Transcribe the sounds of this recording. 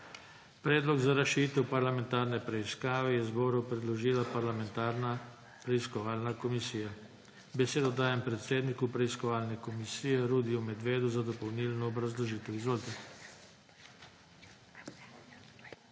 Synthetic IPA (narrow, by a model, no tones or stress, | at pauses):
pɾɛːd̪lɔɡzaɾaʃiːt̪ɛpaɾlamɛ̃nt̪aːɾnɛpɾɛiskaːʋɛjɛzbɔːɾɔwpɾɛd̪lɔʒiːlapaɾlamɛnt̪aɾna | pɾɛiskɔʋaːlnakɔmisiːja | bɛseːd̪ɔd̪aːjɛmpɾɛt̪seːd̪nikupɾɛiskɔʋaːlnɛkɔmisiːjɛɾuːd̪iumɛd̪ʋeːd̪uzad̪ɔpɔwniːlnɔːbɾazlɔʒiːt̪ɛwizʋoːlt̪ɛ